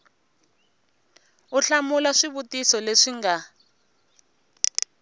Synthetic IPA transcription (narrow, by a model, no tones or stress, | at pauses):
uɬamulaʂiβutisɔleʂiŋɡa